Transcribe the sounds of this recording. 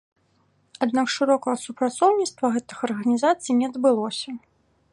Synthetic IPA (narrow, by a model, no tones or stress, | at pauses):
ad̪nakʂɨɾɔkɐɣɐsupɾat̪sɔwnʲit̪st̪vɐɣɛt̪ɨ̥xɐrɣɐnʲizat̪sɨjnʲɛɐd̪bɨlˠɔsʲɐ